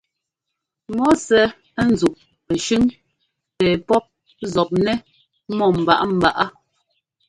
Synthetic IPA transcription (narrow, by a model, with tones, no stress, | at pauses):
mɔ˦sɛ˨˦ | n˨zu˨ʔ̚ | pɛ˨ʃʉ˦ŋ | pɛː˨pɔ˦p̚ | zɔ˨p̚nɛ˦ | mɔ˨m̩˨ba̰˨ʔa˦m̩˨ba˨ʔa˦